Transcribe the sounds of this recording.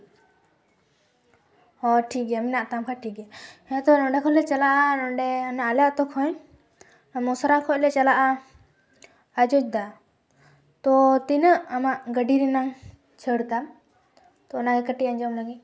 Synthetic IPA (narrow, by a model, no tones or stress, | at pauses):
hɔʈʰikɛminaʔt̪amkʰaʈʰikɛɛat̪ɔnɔɖɛkʰɔlɛt͡ʃalaʔanɔɖɛnaaljaʔt̪ɔkʰɔ̃j | amɔsɔɾakʰɔʔlɛt͡ʃalaʔa | ad͡ʒɔt͡ʃd̪a | t̪ɔt̪inəʔamaʔɡəɖiɾinaŋ | t͡ʃʰəɽt̪am | t̪ɔnaɡɛkəʈiaɲd͡ʒɔmlaɡi